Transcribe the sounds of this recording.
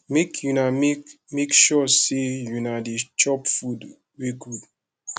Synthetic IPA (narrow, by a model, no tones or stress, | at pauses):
mekʰjunam | mekʃɔsejunadit͡ʃɔpfud | weɡud